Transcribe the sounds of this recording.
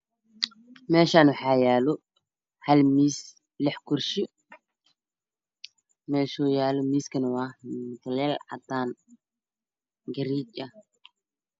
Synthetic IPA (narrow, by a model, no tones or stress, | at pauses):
mɛːʃaːnʊħajaːlɔ | hɐlmiːs | lɛħkʊrʃɪ | mɛːʃɔːjaːlɔmiːskʰɐnɐwaːtʰɐlɛlʕa̰t̪aːn | ɡɐɾiːt͡ʃʼɐ